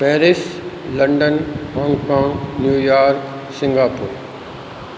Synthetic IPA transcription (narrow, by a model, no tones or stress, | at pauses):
pɛːɾɪs | lɐ̃ɳɖənɦɔ̃ːŋɡkãːŋɡnjuːjaːɾk | sɪ̃ŋɡaːpuːɾ